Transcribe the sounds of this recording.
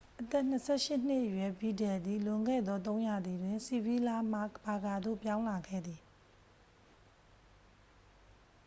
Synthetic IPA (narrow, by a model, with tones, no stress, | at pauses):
ʔət̪ɛ˦˨n̥ə˦sʰɛ˦˨ʃɪ˦n̥ɪ˦ʔəjwɛ˨bi˨dɛ˨d̪i˨lʊ̃˨ŋɡɛ̰˦˨d̪ðɔ˦t̪̬õ˦ʊ̃ja˨d̪ði˨dwɪ̃˨nsi˨bi˦la˦m̥a̰˦kba˨ɡa˨d̪o̰˦˨pjã˦ʊ̃la˨ɡɛ̰˦˨d̪i˨